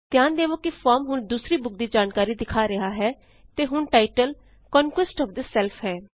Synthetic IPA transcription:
t̪jaːnd̪eːʋoːkɪpʰɔːɾmɦʊnd̪uːsɾiːbʊk̚d̪iːd͡ʒaːnkaːɾiːd̪ɪkʰaːɾəɦaːɦɛː | t̪eːɦʊɳʈaːɪʈəl | kɔːnkwɪsʈɔːʋd̪əsɛlpʰɦɛː

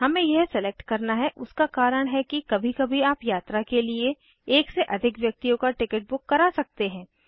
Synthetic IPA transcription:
ɦɐmẽjeɦsɛlek̚ʈkɐɾnaɦɛʔʊskakaːɾəɽ̃ɦɛkikɐbʱikɐbʱiaːpjaːt̪ɾakelie | eːkseʔɐd̪ʱɪkʋjɐk̚t̪ijõkaʈɪkəʈ̚bʊkːɐɾasɐk̚t̪eɦɛ̃ː

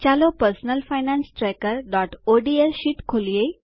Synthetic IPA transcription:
t͡ɕalopəɾsnəlfajnãnsʈɾɛjkəɾɖɔʈoɖieɕiʈkʰolje

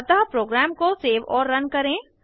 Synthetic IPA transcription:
t̪aɦpɾoːɡɾɛːmkoseːʋɔːɾːɐnkɐɾẽː

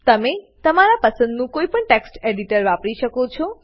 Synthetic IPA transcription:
t̪əme | t̪əmaɾapəsənd̪nũkoipəɳʈeksʈeɽiʈəɾʋapɽiʃəkot͡ʃʰɔ

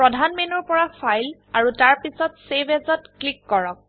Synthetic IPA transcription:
pɹɔdʱanmenɔɹpɔɹafʰajl | aɹutaɹpisɔtsebɛzɔtklikːɔɹɔk̚

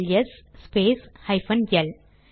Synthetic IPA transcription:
ljɐsːpeːshɐɪfɐ̃njɐl

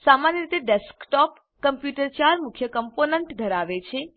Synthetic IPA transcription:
samanjəɾit̪eɖeskʈɔp | kəmpjuʈəɾt͡ʃaɾmukʰjəkəmponeɳʈd̪ʱəɾaʋet͡ʃʰe

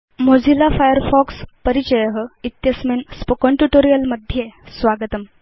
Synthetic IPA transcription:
mod͡zilafajəɾfɔkspəɾit͡ɕəjəɦəit̪jəsmenspokəɳʈuʈoɾijəlməd̪ʱːjesʋaɡət̪əm

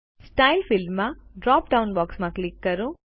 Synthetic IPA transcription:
sʈajlfilmaɖɾaːpɖɐwnbaːksmaklikːɐɾu

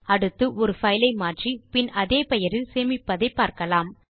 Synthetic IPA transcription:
ɐɽɯt̪ːɯʔɔɾɯfɐɪlɐɪmaːʈripɪnɐðeːpɛjɐɾɪlseːmɪpːɐðɐɪpːaːɾkɐlaːm

